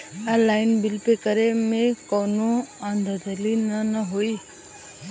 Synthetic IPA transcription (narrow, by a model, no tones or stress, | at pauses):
alajnbilpekʌɾemekʌwnuʌnd̪ʱəd̪ʌlinʌnʌɦoj